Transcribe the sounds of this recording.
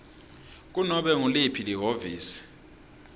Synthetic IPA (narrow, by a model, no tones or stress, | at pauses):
k̬unɔɓɛŋulipʰiliɦoviːsi̥